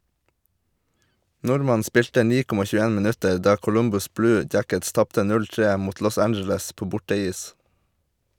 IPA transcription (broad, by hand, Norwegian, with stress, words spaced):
ˈnʊɾmɑn ˈspɪltə ˈniː ˈkɔmɑ çʉːəˈeːn mɪˈnʉtəɾ ˈdɑː kʊˈlʊmbʊs ˈblʉː ˈdjækəts ˈtɑptə ˈnʉl ˈtɹeː ˈmuːt ˈlɔs ˈænd͡ʒl̩əs ˈpoː ˈbʊʈəˌiːs